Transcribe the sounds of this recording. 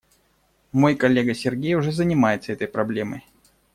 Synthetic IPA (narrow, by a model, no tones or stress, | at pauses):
mo̞jkɐlʲːeɡəsʲɪrɡʲejʊʐɛzənʲɪmajɪt̪səɛt̪əjpɾɐblʲeməj